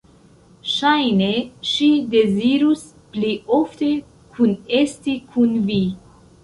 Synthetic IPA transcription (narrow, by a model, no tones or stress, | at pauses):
ʃajneʃid̪eziɾus | plioft̪e | kʰunest̪ikʰunvi